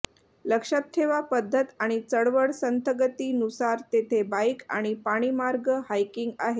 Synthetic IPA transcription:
ləkʂap̚t̪ʰːeʋapəd̪ʱːət̪aɽ̃it͡səɽʋəɽsənt̪əɡət̪iːnusaɾt̪et̪ʰebaika̰ɽ̃ipaɽ̃iːmaɾɡəhajkiŋɡa̰ɦet̪

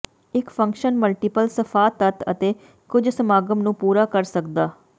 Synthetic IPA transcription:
ɪkpʰə̃ŋkʃənməlʈiːpəlsəfʰaːt̪ːət̪ə̰t̪eː | kʊd͡ʒsəmaːɡəmnũːpuːɾaːkəɾsəkd̪aː

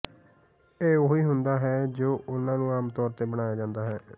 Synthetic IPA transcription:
eːoːiːɦʊnd̪aːɦɛːd͡ʒoːʔʊnãːnũːaːmt̪ɔːɾt̪eːbəɽ̃aːjaːd͡ʒãːnd̪aːɦɛː

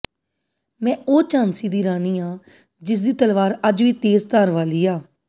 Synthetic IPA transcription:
mɛ̃ːʔoːt͡ʃãːnsiːd̪iːɾaːniːaː | d͡ʒɪs̬d̪iːt̪əlʋaːɾəd͡ʒʋiːt̪eːzt̪aːɾʋaːliːaː

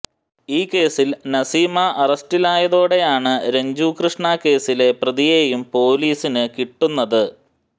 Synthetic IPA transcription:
iːkːe̞ːsilnɐsiːmɐʔɐrɐstilaːjɐðoːɽe̞jaːɳɨɾe̞ɲd͡ʑuːkrɨʂɳaːkːe̞ːsile̞prɐðijejumpo̞ːliːsinɨkiʈːunːɐðɨ

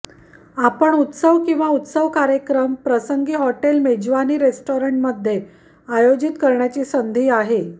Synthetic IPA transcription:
apəɳut̪səʋkĩw̃ʋaut̪səʋkaɾjekɾəmpɾəsəŋɡiːɦɔʈelmed͡ʑʋaniːɾesʈoɾəɳʈməd̪ʱːje | ajod͡ʑit̪kəɾɳjat͡ɕiːsənd̪ʱiːaɦe

